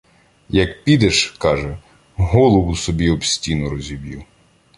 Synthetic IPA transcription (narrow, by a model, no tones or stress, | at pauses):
jɐkpʲid̪ɛʃkɑʒɛ | ɦɔlˠɔwʊsɔbʲiɔbsʲtʲinɔɾɔzʲiʋʲji